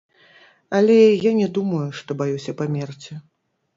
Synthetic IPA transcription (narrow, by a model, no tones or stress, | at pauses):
ɐlʲɛjanʲɛd̪umɐjuʂt̪ɔbajusʲɐpamʲɛrt͡sʲi